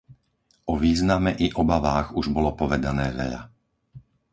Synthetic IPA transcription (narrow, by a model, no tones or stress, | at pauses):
ɔʋiːznamɛʔiʔɔbaʋaːɣuʒbɔlɔpɔʋɛd̪anɛːʋɛ̰ʎa̰